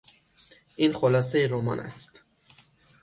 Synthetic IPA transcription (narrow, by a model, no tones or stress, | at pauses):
ʔiːnxolɒːse̞jeɾomɒ̰ːnæ̰st̪